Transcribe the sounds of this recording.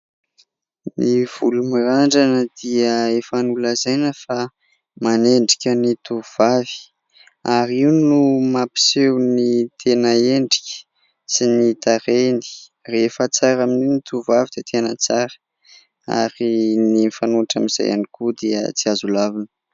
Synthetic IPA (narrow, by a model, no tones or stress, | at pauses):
niv̥ulumiɾaɳɖ͡ʐanəd̪̥iəefanuləzajnəfa | maneɳɖ͡ʐikʲənit̪uv̥avi̥ | aɾiunumapi̥sewnit̪ʰenəeɳɖ͡ʐi̥kʲə̥ | sinit̪aɾeni̥ | refət͡saɾamininit̪ʰuvavid̪et̪ʰenət͡saɾə̥ | a̰ɾinifanuaʈ͡ʂamiz̥a̰ja̰nikud̪iə̰t͡siazulavinə̥